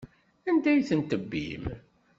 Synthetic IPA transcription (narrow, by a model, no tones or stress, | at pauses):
ænd̪æjθənt̪əbːḭm